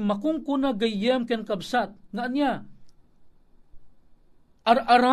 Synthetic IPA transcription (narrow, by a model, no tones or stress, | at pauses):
makʊŋkunaɡajjɛmkɛnkabsat̪̚ŋaʔnja | aɾaɾa